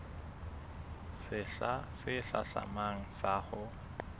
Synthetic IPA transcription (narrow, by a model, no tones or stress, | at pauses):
sɪɬasɪɬaɬa̰maŋ̩saːχʊ